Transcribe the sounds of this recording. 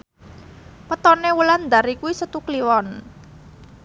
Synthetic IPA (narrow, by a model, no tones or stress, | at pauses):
pət̪ɔnewuland̪aɾikuwisət̪ukliwɔn